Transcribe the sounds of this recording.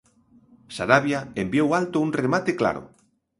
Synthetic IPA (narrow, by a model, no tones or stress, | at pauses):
saɾaβjaembjowalt̪ouŋremat̪ekla̰ɾʊ̰